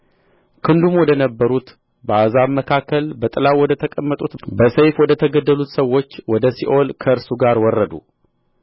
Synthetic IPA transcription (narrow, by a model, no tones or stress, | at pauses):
kʰɨnd̪umwɔd̪ənəbːəɾut̪ | bəazaβməkʰakʰːəlbət̪ʼɨlawɔd̪ət̪ʰəkʼəmːət̪ʼut̪bəsejfwɔd̪ət̪ʰəɡəd̪ːəlut̪səwːo̞t͡ʃːwɔd̪əsiʔo̞lkʰəɨɾsuɡaɾwɔrːəd̪ṵ